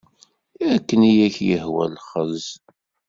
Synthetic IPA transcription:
ækːənijæçjəhwæ̰lχəz

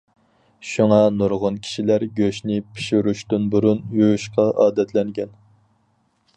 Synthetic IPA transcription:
ʃuŋɑnuɾʁʊnkʲʰi̥ʃilæɾɡʲøʃnɪpʰi̥ʃuɾuʃt̪ynbuɾunjujʃqɑʔɑːd̪ɛt̪ʰlɛŋɡʲɛn

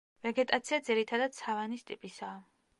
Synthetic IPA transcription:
vɛɡɛt̪ʼat̪sʰiad̪ziɾit̪ʰad̪ad̪̥̚sʰavanist̪ʼipʼisaː

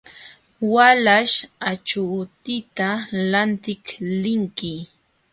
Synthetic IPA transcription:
walaʃat͡ʃut̪ɪt̪alant̪ɪklɪŋkɪ

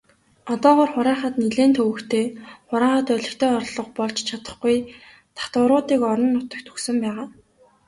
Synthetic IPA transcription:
ɔt̪ɔːʁɔːrχʊɾæːχə̆t̪niɮeːnt̪ʰɵwɘ̆kt̪ʰeːχʊɾæːχə̆t̪œɮʲɪ̆kt̪ʰeːɔrɮɞ̆qpɔɮt͡ɕt͡ɕʰat̪ə̥̆χɡuj | t̪ʰḁt̪ʊɾʊːt̪iːkɔɾɞ̆nːʊt̪ə̆k̚t̪ʰu̥ksɘ̆mpæːʁaː

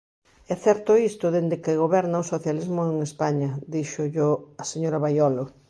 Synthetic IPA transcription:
ɛθɛɾt̪ʊist̪ʊðend̪ɪkeɣoβɛɾnɐosoθjalizmʊeŋespaɲɐd̪iʃʊʎoɐseɲoɾɐβajɔlʊ

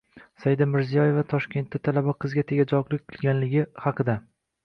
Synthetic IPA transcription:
sajɪd̪amɪɾzijɒje̞vat̪ʰɒʃkʲe̞nt̪ːat̪ʰalabaqʰɨzɡʲat̪ʰeɡʲad͡ʒɒqlˠɪk̚ʲqʰɨlˠɡʲanlɪɡʲɪhɑqʰɨd̪a

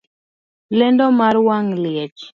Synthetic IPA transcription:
lɛndɔmaɾwaŋlɪɛt͡ʃ

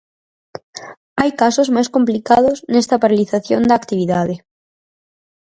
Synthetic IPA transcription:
ajkasozmajskomplikað̞oznest̪apaɾaliθaθjond̪akt̪iβ̞iðaðe

